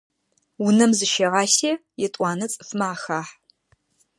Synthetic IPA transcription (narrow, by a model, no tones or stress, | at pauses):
wʊnɐmzɨʃɐʁɑːɕejɛtʼɑːnɐt͡sʼɨfmɐaːxaːħ